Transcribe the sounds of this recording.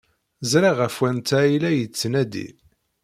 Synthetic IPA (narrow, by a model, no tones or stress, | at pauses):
zɾaʁæfwænt̪æilæjət͡sːnæd̪ḭ